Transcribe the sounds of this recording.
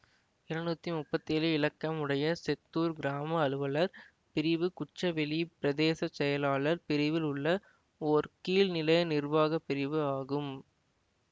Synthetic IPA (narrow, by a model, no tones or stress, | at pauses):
ɪɾɐɳɖ̪uːt̪ːimʊpːɐt̪ːeːlɯɪlɐkːɐmɯɽɐjɐsɛt̪ːuːɾɡɪɾaːmɐːlɯʋɐlɐɾ | pɪɾɪʋɯkʊt͡ʃːɐʋɛlipɪɾɐðeːsɐt͡ʃːɛjɐlaːɭɐɾpɪɾɪʋɪlʊɭːɐ | oːɾkiːlnɪlɐjɐnɪrʋaːɣɐpːɪɾɪʋɯaːɣɯm